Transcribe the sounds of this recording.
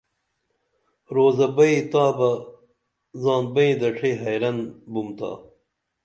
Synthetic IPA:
ɾoːzɐbɐit̪aːbɐ | zãːnbɐĩd̪ɐʈ͡ʂʰiɦɐjɾɐnbumt̪ʰa̰ː

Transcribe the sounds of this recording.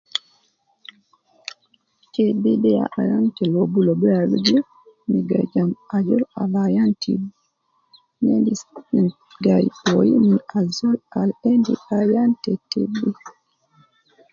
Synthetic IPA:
tibidɛja̰ʔajantɛlobulobualud͡ʒi | miɡa̰d͡ʒamad͡ʒɔla̰lajantʰḭ | nendiin | ɡajojiminald͡ʒɔlalendiajantɛtḭbi

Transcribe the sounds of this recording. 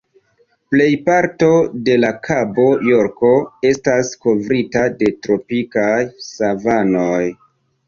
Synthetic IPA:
ple̞jpaɾto̞de̞lakʰabo̞joɾko̞e̞stasko̞vɾitade̞tɾo̞pikajsavano̞j

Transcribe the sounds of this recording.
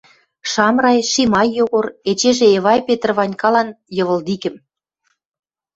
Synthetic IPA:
ʃɑmrɑjʃimɑjːoɣoret͡ɕeʒeːβɑjpet̪ərβɑnʲkɑlɑnjɤ̆βə̆ld̪ikɘ̆m

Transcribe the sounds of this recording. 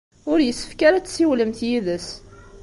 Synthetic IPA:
ʊɾjəsːə̥fkaɾæt͡sːsiwləmθjiðəs

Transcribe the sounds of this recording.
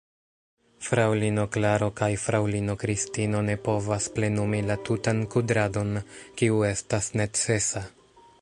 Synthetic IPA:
fɾawlino̞klaɾo̞kajfɾawlino̞kɾistino̞ne̞po̞vasple̞numilatutankudɾado̞nkiue̞stasne̞t͡se̞sa

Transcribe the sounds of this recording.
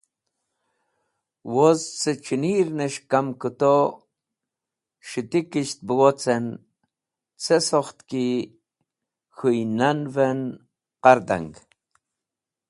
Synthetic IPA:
wozt͡sət͡ʃiniɾnəʃkamkut̪o | ʃit̪ikiʃt̪̚bəwot͡sen | t͡sɛsoχt̪ki | xujnanvɛn | qɑɾd̪a̰ŋɡ

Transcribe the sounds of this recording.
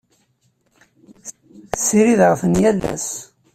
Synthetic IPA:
sːiɾiðʁəfənjælæ̰s

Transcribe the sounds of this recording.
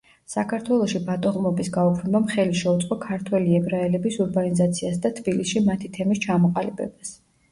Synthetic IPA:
sakʰaɾt̪ʰwɛlˠɔʃibat̪ʼɔʁmɔbisɡaupʰnɛbamχɛliʃɛut̪sʼqʼɔkʰaɾt̪ʰwɛliɛbɾaɛlɛbisuɾbanizat̪sʰiasd̪at̪ʰbilisʃimat̪ʰit̪ʰɛmist͡ʃʰamɔqʼalibɛ̰bas

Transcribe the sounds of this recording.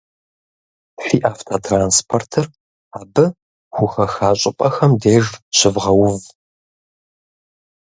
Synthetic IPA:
ɬiːʔaːftʰatʰraːnspʰortʰɨr | aːbɨ | xʷʊxɐxaːɕʼɪpʼɐxɐmdeːʒɕɪvʁɐwʊv

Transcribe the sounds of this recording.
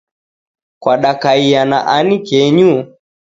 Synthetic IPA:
kwaɗakaijana̰ʔanikɛɲu

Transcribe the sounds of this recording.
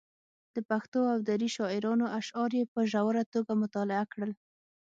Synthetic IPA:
d̪̥əpaxt̪oawd̪aɾiʃɑɪɾɑnoʔaʃɑɾjepəʒawaɾat̪oɡamʊt̪ɑlɪakɽəl

